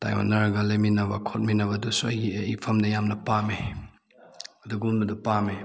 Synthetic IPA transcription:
ta̰jwa̰nːɐɾɐɡɐlɐminɐbɐkʰot̚minɐbɐdusuɐjɡieipʰɐmdɐjamnɐpame | ɐduɡunbɐdupame

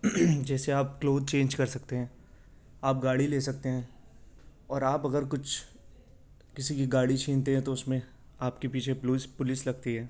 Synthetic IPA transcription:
d͡ʒɛːseaːp̚kloːzt͡ʃẽːnd͡ʒkɐɾsɐk̚t̪eɦɛ̃ː | aːp̚ɡaːɽileːsɐk̚t̪eɦɛ̃ː | ɔːɾaːpɐɡəɾkʊt͡ʃʰ | kɪsikiɡaːɽit͡ʃʰiːnt̪eɦɛ̃t̪oʊsmẽ | aːpkepiːt͡ʃʰepːspʊlɪslɐɡt̪iɦɛː

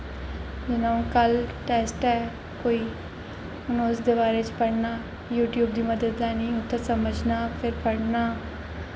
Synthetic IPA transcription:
d͡ʒɪnãːũːkəlʈɛːsʈɛː | koːiː | ʊnõʊsd̪eːbaːɾeːt͡ʃpəɽnaː | juːʈjuːbd̪iːməd̪əd̪laːnĩːʊt̪ːaːsəməd͡ʒnaːpʰɪɾpəɽnaː

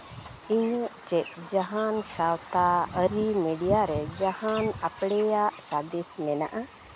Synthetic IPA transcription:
iɲɔʔt͡ʃɛt̪̚d͡ʒaɦansawt̪aəɾimiɖijaɾɛd͡ʒahanapɽɛjaʔsad̪ismɛna̰ʔa

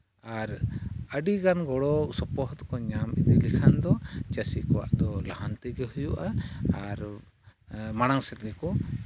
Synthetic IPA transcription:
aɾəɖiɡanɡɔɽɔsɔpɔɦt̪kɔɲamḭd̪ilikʰand̪ɔt͡ʃasikɔwa̰ʔd̪ɔlahant̪iɡɛhujuʔaːɾ | maɽ̃aŋsɛɾd̪ɛkɔ

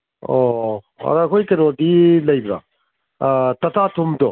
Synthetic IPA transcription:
ɔ | a̰ɾakʰojkenɔdilɐjbɾa̰ | tɐtʰatʰumdɔ

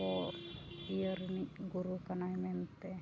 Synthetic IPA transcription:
o | iərniɡuɾukanajment̪ːe

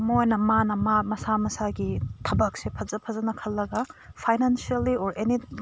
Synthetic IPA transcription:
mojnɐmanɐmamɐsamɐsaɡitʰɐbɐk̚sepʰɐzɐpʰɐzɐnɐkʰɐlːɐɡɐpʰajnansialːioɾʔeni

